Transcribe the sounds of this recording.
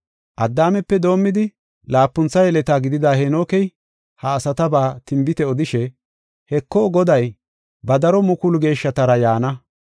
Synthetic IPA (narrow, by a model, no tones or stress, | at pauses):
ʔɐd̪ːaːmɛpːɛd̪o̞ːmːɪd̪ɪ | laːpːʊnt͡sːɐjɛlɛt̪aːɡɪd̪ɪd̪aːhɛnoːkɛj | hɐːsɐt̪ɐbaːt̪ɪmbɪt̪ɛɔd̪ɪʃɛ | hɛkːɔːɡɔd̪ɐj | bɐd̪ɐɾɔmʊkʊlɡe̞ːʃːɐt̪ɐɾɐjaːnɐ